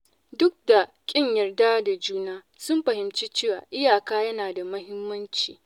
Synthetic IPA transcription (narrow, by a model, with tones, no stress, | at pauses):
dʊ˦k̚da˨ | kʲʼɪ˦ɲjɐ˨rda˦da˨d͡ʒuː˦naː˦ | sʊ˦mɸɐ˨hɪ˨mt͡ʃiː˦t͡ʃeː˦wa̰ː˨ʔɪ˦jaː˨kaː˦jɐ˦naː˨da˨mɐ˦hɪ˦mːɐ˦nt͡ʃḭː˨